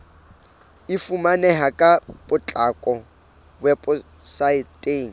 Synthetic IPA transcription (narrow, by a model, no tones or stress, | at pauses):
ifumanɛɦakʼabʊt͡ɬʼakʼɔ | wɛpʊ | saɪtʼeːŋ̩